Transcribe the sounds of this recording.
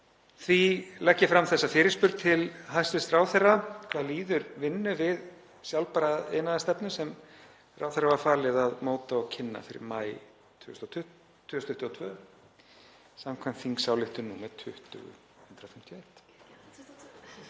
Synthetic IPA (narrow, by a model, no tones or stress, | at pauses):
θvilɛcːɪfɾamθɛsːafɪːɾɪspʏɾt̪̚t̪ʰɪlɦajst̪ɪst̪raːwθɛrːakʰvaːðliːðʏɾvɪnːʏvɪð | sjawlpaɾaḛjnaðast̪ɛpnʏsɛm | ra̰ːwθɛɾrːavaɾfaːɾlɪðaðmoːwt̪aɔɣcʰɪnːa̰fɪɾɪ̰ɾmaːj | t̪ʰʏʏst̪ʰː | ʏːʏst̪ʰʏht̪ʏɔt̪ʰvœː | samkʰvajmt̪θiŋksawlɪht̪ʏnuːmɛɾt̪ʰʏht̪ʏ̰ɣʏ̰ | hʉnt̪ɾawfɪm̥t̪jʏejt̪